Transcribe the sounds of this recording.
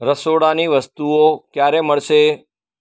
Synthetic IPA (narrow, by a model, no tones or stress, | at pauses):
ɾəsoɽaniʋəst̪uokjaɾeməɭʃe